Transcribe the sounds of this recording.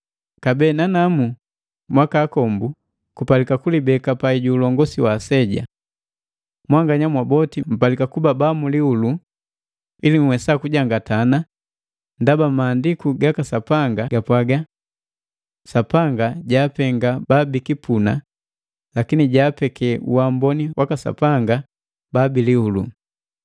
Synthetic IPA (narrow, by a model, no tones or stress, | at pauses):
kabɛːnanamu | mwakaːkɔmbu | kupalikakulibɛkapaiɟuːlɔŋɡɔsiwasɛɟa̰ | mwaŋɡaɲamwabɔtim̩palikakubabamuliulu | ilim̩wɛsakuɟaŋɡatana | ndabamaːndikuɡakasapaŋɡaɡapwaɡa | sapaŋɡaɟaːpɛŋɡababikipuna | lakiniɟaːpɛkɛṵwambɔniwʔakasa̰paŋɡa | baːbiliulṵ